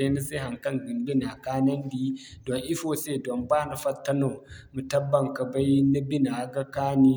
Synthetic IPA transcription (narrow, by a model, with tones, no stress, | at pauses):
e˦ni˦si˦ɦa˨ŋkɐ˦ŋɡi˨mbɪ˦na˨kaː˦nɐ˦ndiː˦dɔ˨ŋʔi˦foː˦se˦˨dɔ˨mbaː˦na˨ɸɐ˦tːɐ˦no˨mu˨tɐ˦bːɐ˨ŋka˨ba˦ji˦na˦bi˦na˨ɡa˦kaː˦ni˦